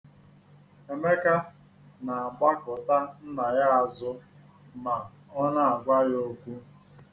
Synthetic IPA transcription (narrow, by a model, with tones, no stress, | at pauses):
e˨me˦ka˦ | na˨a˨ɡ͡ba˦kʊ˨ta˦n̩˦na˨ja˦a˨zʊ˦ | ma˨ | ɔ˦na˦a˨ɡʷa˦jo˦kʷu˦